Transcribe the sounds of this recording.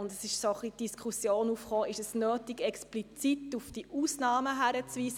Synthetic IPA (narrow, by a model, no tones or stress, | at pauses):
ʊndəsɪʃsoχlitd̥iskχusjoːnuːfχoːɪʃəsnøːtiɡɛksplit͡sit̪ufd̥iʔuːsnɑːməɦæɾət͡sʋiːsə